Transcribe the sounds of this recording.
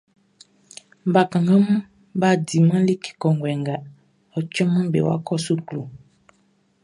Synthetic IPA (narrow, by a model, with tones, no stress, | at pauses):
ba˨kã˨ŋɡã˦mũ˦ | ba˦˨di˨mã˦li˦ki̥˨kɔ˨ŋ˨ɡwɛ˨ŋɡa˨ | ɔ˨t͡ʃɔ̃˦mã˦bḛ˨wa̰˦kɔ˦˨su˦klo˨